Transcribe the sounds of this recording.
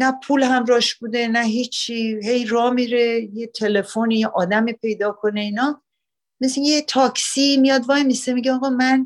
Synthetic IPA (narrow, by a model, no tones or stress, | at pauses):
næpʰulhæmɾɒːʃbud̪e̞næɦit͡ʃʰːiɦe̞jɾɒːmiɾejet̪ʰe̞le̞fonijeʔɒːd̪æmiːpʰe̞jd̪ɒːkʰone̞inɒ | meseet̪ʰɒːksiːmijɒd̪vɒjmisemiɟeɒːɣɒmæn